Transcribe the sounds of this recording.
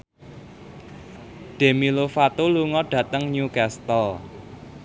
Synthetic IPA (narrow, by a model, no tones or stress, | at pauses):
ɖ̥e̤milofat̪oluŋɔɖ̥ä̤t̪əŋɲukɛst̪əl